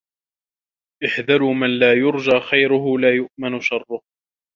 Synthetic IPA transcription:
ʔɪħd̪alʊmanlaːjʊɾd͡ʒaːxajɾʊɦʊlaːjʊʔmɪnʊʃɑrˤːʊh

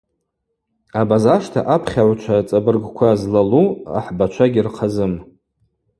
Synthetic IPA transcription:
abazaʂtʰa̰ʔapʰχʲaʕʷt͡ʃʷʰat͡sʼabɨrɡkʷʰazlalua̰ħbat͡ʃʷʰaɡʲirqʰazɨm

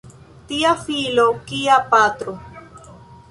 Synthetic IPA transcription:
t̪iafilokiapat̪ɾo

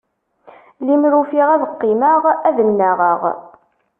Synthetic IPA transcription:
limɾufiʁæðəqːiməʁæðənːæʁəʁ

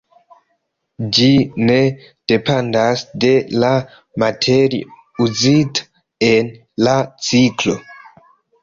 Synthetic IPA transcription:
d͡ʒine̞ | d̥e̞pandasde̞la | matʰeɾḭ | uzitḁ | e̞n | lat͡siklo̞

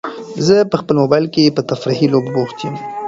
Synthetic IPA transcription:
zəpəxpəlmobajlkepət̪afɾiɦilobboxt̪jim

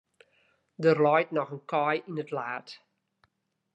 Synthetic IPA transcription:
dərlɔjtnɔχənkɔjinətlaːt

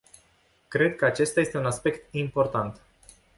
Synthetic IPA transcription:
kɾe̞d̪̚kəat͡ʃe̞st̪ajest̪eunaspe̞kt̪impo̞rt̪ant̪

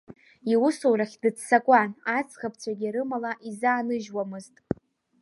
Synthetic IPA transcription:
iwʊsowraχʲdɨt͡ssakʷʼanat͡sχapʰt͡sʷʰaɡʲiɾɨmalaʔizaːnɨʒwamɨztʼ

